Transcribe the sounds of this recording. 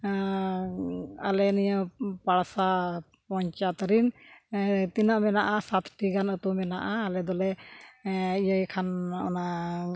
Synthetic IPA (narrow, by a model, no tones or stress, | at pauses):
alɛnijəpaɽsa | pɔɲt͡ʃat̪ɾin | t̪inaʔmɛnaʔasat̪ʰʈiɡanət̪umɛnaʔaːlɛd̪ɔlɛ | ijəjkʰanʔɔna